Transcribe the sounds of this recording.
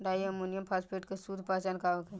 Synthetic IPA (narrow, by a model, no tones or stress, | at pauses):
ɾaːiɐmunijəmpʰaːspeːʈkesuːd̪ʱpaːt͡ʃaːnkaːʋoke